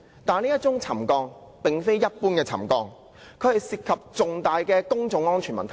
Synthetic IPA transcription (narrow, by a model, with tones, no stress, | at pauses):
t̪aː˨˧niː˥jɐ˥t̚t͡ʃʊ˥ŋt͡sʰɐ˨˩mkɔː˧ŋ | pɪ˨ŋfe˥jːɐ˥t̚puː˥nkɛː˧t͡sʰɐ̰˨˩mkɔː˧ŋ | kʰɵ˨˧ɥhɐ˨jsiː˨t̚kʰɐ˨p̚t͡sʊ˨ŋt̪aː˨jkɛː˧kʊ˥ŋt͡sʊ˨˥ŋɔː˥nt͡ʃʰyː˨˩mɐ̰˨nt̪ʰ